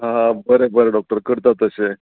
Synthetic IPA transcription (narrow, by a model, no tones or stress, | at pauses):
ɦãbəɾebəɾeɖɔk̚ʈəɾkəɾt̪at̪əse